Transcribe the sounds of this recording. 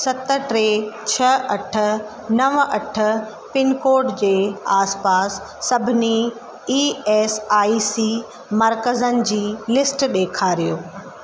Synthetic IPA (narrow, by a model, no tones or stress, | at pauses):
sɐt̪əʈɾeːt͡ɕʰɐɐʈʰə̆ | nɐʋɐʈʰə̆ | pɪnkoːɾɖd͡ʑeːaːspaːsː | ɐbʱɪni | iːɛːsaːisiː | mɐɾkəzənɪ̆d͡ʑiːlɪsʈɗeːkʰaːɾijoː